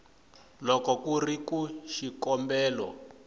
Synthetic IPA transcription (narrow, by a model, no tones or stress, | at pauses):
lɔkɔkurikuʃikɔmbɛːlɔ̰